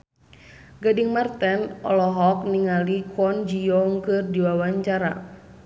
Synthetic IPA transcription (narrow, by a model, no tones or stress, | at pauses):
ɡadiŋmart̪ɛnɔ̰lɔɦɔk̚niŋalikʰɔnd͡ʒiɔŋkɨrdiwawaɲt͡ʃaɾa̰